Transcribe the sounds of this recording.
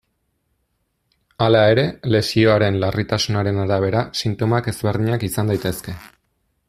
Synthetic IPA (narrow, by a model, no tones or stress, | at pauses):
alae̞ɾe̞le̞sio̞aɾe̞nlarit̪asunaɾe̞naɾaβ̞e̞ɾasint̪o̞make̞zβe̞ɾðiɲakisand̪ajt̪e̞ske̞